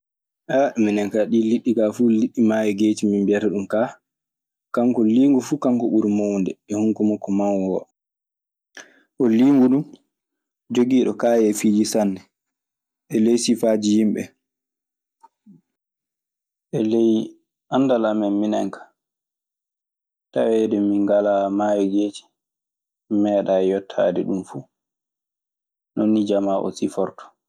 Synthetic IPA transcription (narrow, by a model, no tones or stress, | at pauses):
ʔaminɛŋkaɗiːliɗːikafuliɗːimaːwɛɡeːtimimbɛɾɛɗumkaː | kaŋkɔliːŋɡufukaŋkɔɓuɾmowndɛɛhuŋkumɔkːɔmanwɔ | ʔɔliːŋɡuɗum | d͡ʒoɡiːɗɔkaːjɛfiːd͡ʒisanːɛ | ʔɛlejsifaːd͡ʒihimɓɛ̰ | ʔɛlej | ʔandalamɛnminɛ̰ŋkḁ | tawɛdɛmiŋɡalamaːjɛɡeːd͡ʒi̥ | mɛɗaɛjɔtʰːa̰dɛɗumfu | nonːid͡ʒamaʔɔ̰sifɔɾtɔ̥